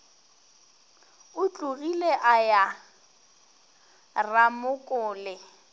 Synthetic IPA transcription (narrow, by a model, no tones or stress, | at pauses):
ʊt͡ɬʼuɣileʔaja | ramʊkʼʊːlɪ